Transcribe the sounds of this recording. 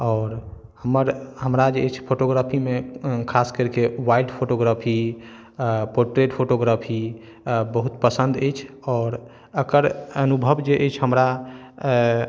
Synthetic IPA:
ɔːɾ | həməɾɦəmɾad͡ʒeːt͡ʃʰpʰoʈoɡɾapʰimekʰaskəɾkewailɖpʰoʈoɡɾapʰi | poɾʈɾeʈpʰoʈoɡɾapʰi | bəɦut̪pəsə̃nd̪əjt͡ʃʰ | ɔːɾ | əkəɾənubʱəbd͡ʒeʔəjt͡ʃʰɦəmɾa

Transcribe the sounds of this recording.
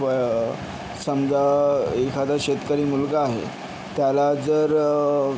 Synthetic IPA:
ə | səmd͡zaekʰad̪aɕet̪kəɾiːmulɡəaɦḛ | t̪jalad͡zəɾ

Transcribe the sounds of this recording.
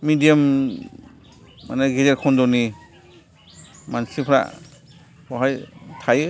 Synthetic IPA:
midijam | ma̰naɡiɾeɾkʰɔndɔni | mansipʰɾa̰ | ɔɦajtʰajɯ

